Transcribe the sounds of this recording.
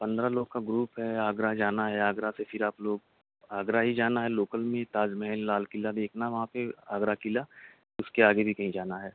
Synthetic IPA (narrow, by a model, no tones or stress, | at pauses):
pɐ̃nd̪ɾaloːɡ̚kaɡɾuːpɦɛaːɡɾad͡ʒaːnaɦɛaːɡɾasefɪɾaːploːɡ | aːɡɾaɦid͡ʒaːnaɦɛloːkəlmẽt̪aːd͡ʒmɛɦɛnlaːlkɪlad̪eːkʰnaɦɛʋɐɦãpeaːɡɾakɪla | ʊskeaːɡebʱikɐɦĩd͡ʒaːnaɦɛː